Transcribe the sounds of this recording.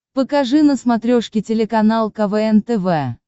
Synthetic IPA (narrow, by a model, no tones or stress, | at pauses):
pəkɐʐɨnəsmɐt̪ɾʲoʂkʲɪtʲɪlʲɪkɐnalˠkɐvɛɛnt̪ɛvɛ